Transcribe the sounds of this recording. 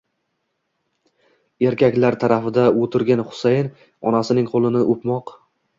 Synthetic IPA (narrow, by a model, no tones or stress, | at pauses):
e̞ɾkʲʰakʲlaɾt̪ʰaɾafɪd̪aot̪ʰɪɾɡʲanχʊ̥sajn | ɒ̰nasɪnɪŋqʰolˠɪnɪʔopmɒq